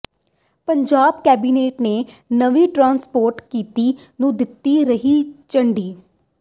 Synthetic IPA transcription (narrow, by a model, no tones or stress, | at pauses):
pəɲd͡ʒaːbkɛːbiːneːʈneː | nəʋiːʈɾãːnspoːɾʈkiːt̪iː | nũːd̪ɪt̪ːiːɾəɦiːt͡ʃəɳɖiː